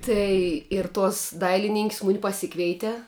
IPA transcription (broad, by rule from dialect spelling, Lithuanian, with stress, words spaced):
ˈtɐɪ ɪr ˈtuɔs ˈdɐɪlʲɪnʲɪŋʲkʲsʲ ˈmʊnʲɪ pɐˈsʲɪkʋʲɛɪtʲɛ